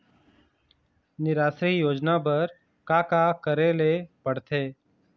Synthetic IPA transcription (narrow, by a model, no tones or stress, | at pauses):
nɪɾaːsɾijoːd͡ʒnap̬əɾ | kaːkakəɾeːlepəɽt̪ʰeː